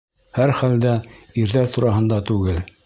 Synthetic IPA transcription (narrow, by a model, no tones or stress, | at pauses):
hæɾχæld̪æiɾðæɾt̪uɾɑɦɤ̆nd̪ɑt̪ʉɡɘl